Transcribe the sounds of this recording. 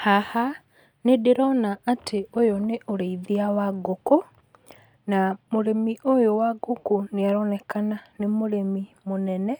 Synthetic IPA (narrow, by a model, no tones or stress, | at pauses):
haha | nedeɾɔnaatʰeojoneʔoɾeiðiawaɡoko | namoɾemiʔojowaɡokoneaɾɔnɛkananemoɾemimonɛnɛ